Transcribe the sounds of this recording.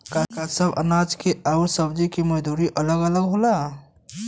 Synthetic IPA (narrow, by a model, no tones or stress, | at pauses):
kakasɐbɐ̰naːd͡ʒkeʔaːɾsɐbd͡ʒikimɐd̪uːɾiʔɐləɡələɡɦola